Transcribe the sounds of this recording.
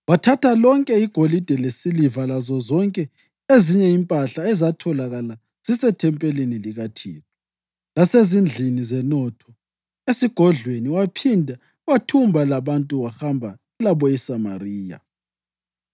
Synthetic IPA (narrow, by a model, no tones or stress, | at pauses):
watʰatʰalɔŋkʼɛiɡ̥ʱolid̥ʱɛlesilivalazɔzɔŋkʼɛ | eziɲɛimpʼaɬaɛzatʰɔlaɣala | z̥isɛtʰɛmpʼɛliniliɣatʰḭːtʰɔ̥ | lasezind͡ɮʱinizɛnɔtʰɔ | esiɡ̥ʱɔɮweniwapʰindʱa | ɣwatʰumbʱalaβantʼuwaxambʱa | laβɔɛsama̰riːja̰